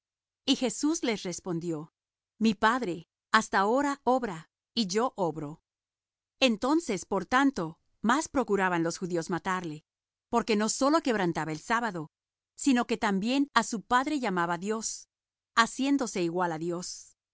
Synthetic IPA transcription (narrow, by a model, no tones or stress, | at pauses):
ixe̞suzle̞sre̞spo̞nd̪jo̞ | mipaðɾe̞ | ast̪ao̞ɾao̞βɾa | iʝo̞ʔo̞βɾo̞ | ent̪o̞nse̞spo̞ɾt̪ant̪o̞ | maspɾo̞kuɾaβanlo̞sxuðio̞zmat̪aɾle̞ | po̞ɾke̞no̞so̞lo̞ke̞β̞ɾant̪aβaelsaβaðo̞ | sino̞ke̞t̪ambje̞nasupaðɾe̞ʝamaβaðjo̞s | asje̞nd̪o̞se̞iɣwalaðjo̞s